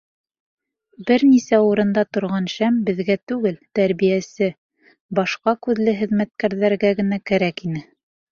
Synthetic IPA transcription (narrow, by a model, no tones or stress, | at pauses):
bɘɾnisæuɾɤ̆nd̪ɑt̪ŏɾʁɑnʃæmbɘ̆ðɡæt̪ʉɡɘlt̪æɾβijæsɘ | bɑʃqɑkʉðlɘɦɘ̆ðmæt̪̚kæɾðæɾɡæɡɘ̆nækæɾækinɘ